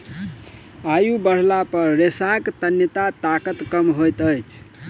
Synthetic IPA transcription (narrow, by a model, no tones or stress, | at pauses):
ajubəɽ̤lapəɾːesakt̪ənjət̪at̪akət̪kəmɦojt̪əjt͡ʃʰ